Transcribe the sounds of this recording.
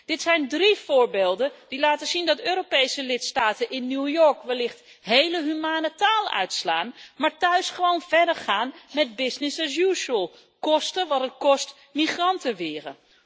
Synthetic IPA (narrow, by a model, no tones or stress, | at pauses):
d̥ɪtsɛjndriv̥ʊːɹbeːlˠdəd̥ilaːtəz̥indɑtøːɾopejsəlɪtstaːtənʔɪnːuwjɔɹkʋɛlɪχt | ɦejləɦymaːnətaːlœ̰ɥtsla̰ːnmaːɹtœɥsχəʋownv̥ɛɹdəɹχaːnmɛd̚bɪsnɪsɛs̬juːʃəlˠ | kɔstəʋɑtətkɔst | miχrɑntəʋɪːrə̰